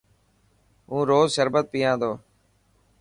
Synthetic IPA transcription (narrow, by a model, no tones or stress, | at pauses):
ɦũːɾoːzʃəɾbət̪̚piːãːd̪oː